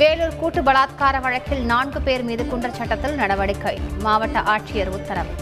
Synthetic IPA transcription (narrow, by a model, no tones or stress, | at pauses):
ʋeːluːɾkuːʈːɯbɐɭaːt̪̚kaːɾɐʋɐɻɐkːɪlnaːnɡɯpeːɾmiːðɯkuɳɖrɐt͡ʃɐʈːɐt̪ːɪlnɐɽɐʋɐɽɪkːɐɪmaːʋɐʈːɐʔaːʈʂɪjɐɾʊt̪ːɐɾɐm